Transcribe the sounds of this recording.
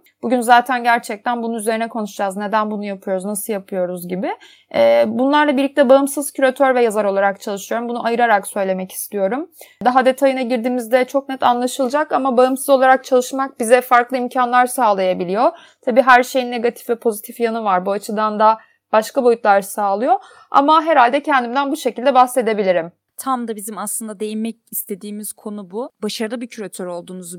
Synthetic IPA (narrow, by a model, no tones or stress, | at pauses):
b̥uɟynzaːt̪ʰænɟæɾt͡ʃʰɛc̚t̪ʰænbununyze̞ɾinɛkʰo̞nuʃud͡ʒazne̞d̪ænbunujapʰɯjo̞ɾuznasɯlˠjapʰɯjo̞ɾuzɟibɪ | ɛːbunlˠaɾlˠabiɾlʲic̚t̪ɛbaɯmsɯzcʰyɾat̪ʰøɾvɛjazaɾo̞lˠaɾakt͡ʃʰalˠɯʃɯjo̞ɾumbunuʔajɯɾaɾaksø̞jlʲe̞mɛci̥st̪ʰijo̞ɾumd̪aɦad̪e̞t̪ʰajɯnaɟiɾd̪iːmizd̪ɛt͡ʃʰo̞k̚nɛt̪ʰanlˠaʃɯlˠɯd͡ʒakamabaɯmsɯzo̞lˠaɾak̚t͡ʃʰalˠɯʃmak̚bizɛfaɾklˠɯimcʰanlˠaɾsaːlˠajabilʲijo̞ | t̪ʰabiːɦæɾʃe̞jinːeɡat̪ʰi̥fvɛpʰo̞zit̪ʰifjanɯvaɾbuat͡ʃʰɯd̪and̪a | b̥aʃkabo̞jut̪lˠaɾsaːlˠɯjo̞ | a̰maɦeɾalʲd̪ɛcʰɛnd̪imd̪ænbuʃe̞cʰilʲd̪ɛbahse̞d̪e̞bilʲiɾim | t̪ʰamd̪abizimaslˠɯnd̪ad̪e̞jimɛc̚ist̪ʰe̞d̪iːmiz̥kʰo̞nububaʃaɾɯlˠɯbicʰyɾat̪ʰøɾo̞lˠd̪uːnuz